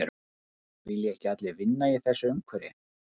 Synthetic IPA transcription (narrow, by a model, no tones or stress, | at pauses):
ɛɾ | vɪljɛɛhcɪat̪lɪvɪnːajɛθɛsːʏʏmkʰvɛɾɪ̰